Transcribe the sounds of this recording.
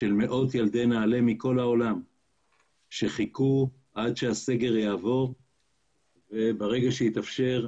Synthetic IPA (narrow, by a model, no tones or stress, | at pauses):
ʃe̞lme̞ʔo̞t̪jald̪enaːle̞miko̞lhao̞lam | ʃe̞χiku | ʔadʃease̞ɡe̞ʁjaːvo̞ʁ | ve̞baʁe̞ɡaʃejit̪afʃe̞ʁ